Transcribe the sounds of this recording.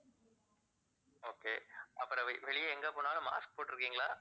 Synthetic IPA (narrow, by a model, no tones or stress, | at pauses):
oːkeːʔɐpːɯɾɐ̃ʋʋɛɭɪjɐɛŋɡɐpoːnaːlɐma̰ːsk̚poːʈːɪɾɯkːiːŋɡɐɭa̰ː